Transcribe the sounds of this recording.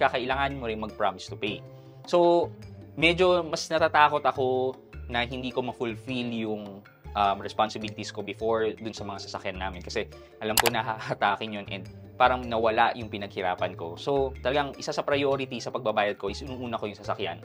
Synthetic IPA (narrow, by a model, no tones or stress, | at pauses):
kɐkɐʔɪlaːŋanmoɾɪŋmɐɡ̚pɹamɪst̪ʊpej | so̞ | mɛd͡ʒo̞mɐsnɐt̪aːt̪aːko̞t̪ɐko̞ | nɐɦɪnd̪iːko̞mɐfʊlfiljʊŋ | ʔɐmɹɛspansɪbilɪt̪isko̞bɪfoɹd̪ʊnsɐmɐŋasɐsɐkjanːaːmɪnkɐsɛ | ʔɐlamkonɐɦɐhɐt̪aːkɪnjonʔɛ̰nd̪̚ | paːɾɐŋnɐwɐlaʔjʊŋpɪnɐɡ̚hɪɾa̰ːpɐnko̞̰so̞t̪ɐlɐɡaŋʔɪsasɐpɾɐjo̞ːɾɪt̪isɐpɐɡ̚bɐbaːjɐd̪̚ko̞ʔɪsʔunɐŋʔuːnɐko̞jʊŋsɐsɐkja̰n